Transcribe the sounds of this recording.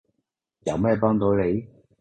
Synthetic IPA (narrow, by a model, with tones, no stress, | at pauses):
jɐ˨˧wmɛː˥˩pɔː˥ŋt̪o˨˥wle˨˧j